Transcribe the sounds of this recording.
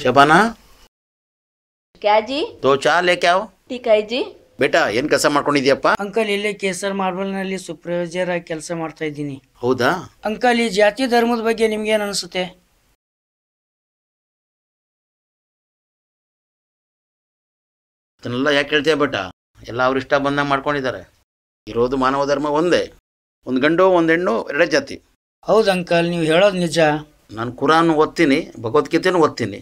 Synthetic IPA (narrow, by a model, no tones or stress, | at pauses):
ʃɐbana | kjad͡ʒiːt̪ot͡ʃaːlekjawʈiːkaid͡ʒiː | beːʈaḛːnkɐsamaːɽkoɳɖid̪jɐpːaəŋkəlilekesəɾmaːɾbəlnalisupɾəjod͡ʒəɾakɛlsamaɽt̪ajd̪inihɐwd̪aəŋkəlid͡ʒaːt̪id̪ʱəɾmuːd̪bəɡjenimɡenənəsut̪e | ɐd̪ɐnɛlːɐjaːkɦeːɭt̪ijɐbeːʈːa̰ | ɛ̰lːɐːʋɾiʂʈɐbɐnd̪ɐmaːɖ̚koɳɖid̪aːɾe | iɾoːd̪umaːnɐʋɐd̪ʱɐɾmɐond̪e | ond̪ɡɐɳɖuond̪eɳːuɛɾɽeːd͡ʒaːt̪ḭ | hɐwd̪ɐŋkɐlniːʋɦeːɭoːd̪nid͡ʒa | naːnkuɾaːnːuːʋot̪̚t̪ːiːnibʱɐɡɐʋɐt̪kit̪enuːɦot̪̚t̪ːinḭ